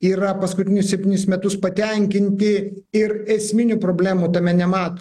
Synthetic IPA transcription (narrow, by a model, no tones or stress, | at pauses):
iːɾɐpɐskʊt̪ʲɪnʲʊssʲɛpʲt̪ʲiɪnʲʊsmʲɛt̪ʊspɐt̪ʲɛŋʲkʲɪnʲt̪ʲɪ | ɪrɛsʲmʲɪnʲuːpɾoːbʲlʲæːmut̪ɐmʲɛnʲɛmɑːt̪oː